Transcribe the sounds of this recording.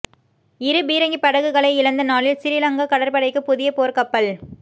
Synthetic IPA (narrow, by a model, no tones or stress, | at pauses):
ɪɾɯbiːɾɐŋɡipɐɽɐɣɯɣɐɭɐɪɪɻɐnd̪ɐnaːlɪlsɪɾɪlɐŋɡɐkɐɽɐɾpɐɽɐɪkːɯpʊðɪjɐpoːɾkɐpːɐɭ